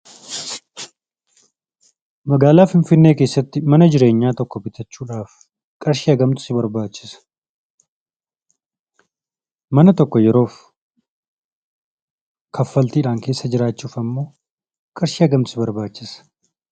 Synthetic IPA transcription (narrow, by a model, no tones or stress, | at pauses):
mɐɡaːlaːfɪnfɪnːe̞ːkeːsːɐt̪ːɪmɐnɐd͡ʒɪɾe̞ːɲːaːt̪ɔkːɔbɪt̪ɐt͡ʃːuːᶑaːf | kʼɐɾʃiːɐɡɐmt̪ʊ̥sɪbɐɾbaːt͡ʃːɪ̥sɐ̥ | mɐnɐt̪ɔkːɔjɛɾo̞ːf | kʰɐfːɐlt̪iːᶑaːŋke̞ːsːɐd͡ʒɪɾaːt͡ʃːuːfɐmːo̞ː | kʼɐɾʃiːɐɡɐmt̪ʊsɪbɐɾbaːt͡ʃːɪsɐ̥